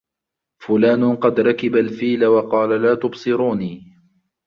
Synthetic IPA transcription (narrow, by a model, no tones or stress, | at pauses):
fʊlaːnqɑd̪ɾˤɑkɪbalfiːlawɑqɑːlalaːt̪ʊbsˤɨɾuːniː